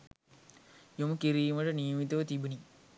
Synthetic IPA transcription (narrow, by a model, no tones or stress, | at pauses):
joməkiɾiːməʈənijəmit̪əʋət̪ibuni